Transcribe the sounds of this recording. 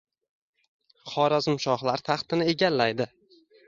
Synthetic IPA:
χɒɾazɪmʃɒhlaɾt̪ʰɑχt̪ɪnɪeɡʲalːajd̪ɪ

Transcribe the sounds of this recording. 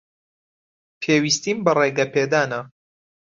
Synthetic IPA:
pʰeːwist̪iːmbɐreɡɐpʰed̪aːnɐ

